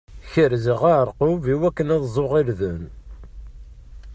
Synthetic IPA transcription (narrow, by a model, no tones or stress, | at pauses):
çəɾziʁaʕəɾˤqoviwækːənæðˤzˤoʁiɾðən